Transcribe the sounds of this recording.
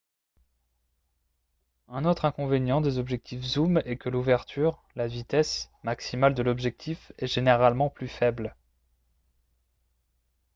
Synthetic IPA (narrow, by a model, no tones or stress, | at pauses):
ɛ̃not̪χɛ̃kɔ̃venjɑ̃d̪ezɔbʒɛk̚t̪ʰifzumɛkəluvɛʁt̪ʰyʁ | lavit̪ɛs | maksimald̪əlɔbʒɛk̚t̪ʰifɛʒeneʁalmɑ̃plyfɛbl